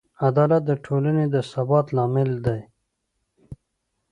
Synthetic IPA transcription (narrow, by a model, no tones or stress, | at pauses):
ad̪ɑːlat̪̚d̪əʈʰoːləned̪əsabɑːt̪lɑːmɪld̪aj